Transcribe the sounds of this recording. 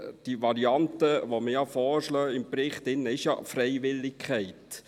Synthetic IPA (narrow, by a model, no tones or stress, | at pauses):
d̥iʋɑɾiɑntəʋoməjɑfɔːʃlœːɪmprɪχt̪ɪnːəɪʃjɑ̰frɛɪʋɪlːɪkʰχɛɪt